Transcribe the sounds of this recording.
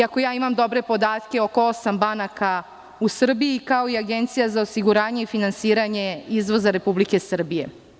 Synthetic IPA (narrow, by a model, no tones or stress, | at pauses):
ako̞jaːimamd̪o̞bɾe̞po̞d̪aːt̪kʲe̞o̞ko̞osambanaka | usr̩biikao̞iaɡe̞nt̪sijazaosiɡuɾaːɲe̞ifinansiːɾaɲe̞izʋo̞zaɾe̞publike̞sr̩bije̞